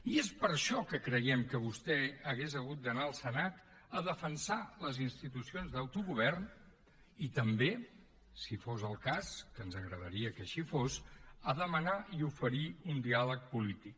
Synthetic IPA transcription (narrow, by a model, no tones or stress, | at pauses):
iespəɾʃɔkəkɾəjɛmkəβust̪ɛəɣezəɣ̞ut̪̚d̪ənaəlˠsənat̪ | əðəfənsaləzinst̪it̪usionzðəwt̪uɣuβ̞ɛrn | it̪əmbe | sifozəlˠkaskənzəɣɾəðəɾiəkəʃifosəðəmənaiufəɾiund̪ialək̚pulit̪ik